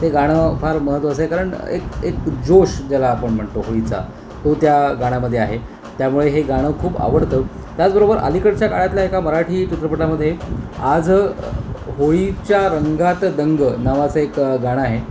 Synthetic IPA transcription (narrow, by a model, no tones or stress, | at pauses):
t̪eɡaɽ̃əfaɾməɦət̪ʋas̬ekaɾəɳḛkekd͡ʑoɕd͡ʑalaːpəɳm̤əɳt̪oɦoɭit͡sa̰ | t̪ot̪jaɡaɽ̃aməd̪ʱjeaɦe | t̪jamuɭeɦeɡaɽ̃əkʰuːpa̰ʋəɽt̪ə | t̪jat͡sbəɾobəɾʔa̰likəɽt͡ɕjakaɽat̪ljaekaməɾaʈʰiːt͡ɕit̪ɾəpəʈlaməd̪ʱːjead͡z | ɦoit͡ɕjaɾəŋɡat̪d̪əŋɡnaʋat͡səekɡaɽ̃əaɦe